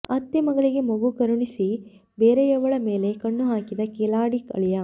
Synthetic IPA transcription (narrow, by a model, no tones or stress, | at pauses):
ɐt̪ːemɐɡɐɭiɡe̞mɐɡukɐɾuɳisi | beːɾejɐʋɐɭɐme̞ːle̞kɐɳːuɦaːkid̪ɐkeːlaːɽikɐ̰ɭijɐ